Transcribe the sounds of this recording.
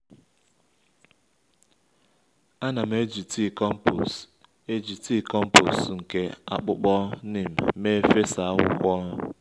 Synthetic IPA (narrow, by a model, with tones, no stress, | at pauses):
a˦na˨m̩˨˦e˦d͡ʒi˨ti˦˨kɔ˦m̩˦po̰˨s | e˦d͡ʒi˨ti˦˨kɔ˦m̩˦po̰˨sŋ̩˨ke˦a̰˦k͡pʊ˦k͡pɔ˦ne˨m̩˨me˦fe˦sa˨a˦ɦʊ̰˨kʷɔ˦ʊ˦